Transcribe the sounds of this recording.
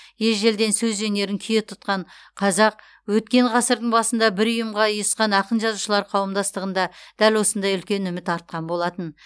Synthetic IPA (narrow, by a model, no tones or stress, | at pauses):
jelʒe̞ld̪e̞nsɵzʒene̞ɾɪŋkʲʰʏjet̪ʰʊt̪qɑɴ | qʰɑzɑq̚ | wɵt̪̚kʲe̞ɴʁɑsəɾd̪əɴbɑsənd̪ɑbɪɾʊjəmʁɑijəsqɑnɑqənʒɑzuʃəlˠɑɾqʰɑwəmd̪ɑst̪əʁənd̪ɑd̪̥ælwo̞sənd̪ɑjʏlkʲe̞nʏmɪt̪ɑɾt̪̚qɑnbo̞lˠɑt̪ən